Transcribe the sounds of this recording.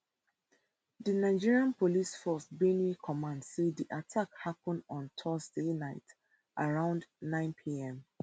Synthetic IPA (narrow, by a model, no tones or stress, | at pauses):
dənaɪd͡ʒiɹiãnpolisfɔsbenikʰɔmãndsediʔatʰakhapə̃ndɔ̃ntʰɔzdenaɪt | ʔaɹãʊ̃ndnãɪ̃npʰiɛ̃m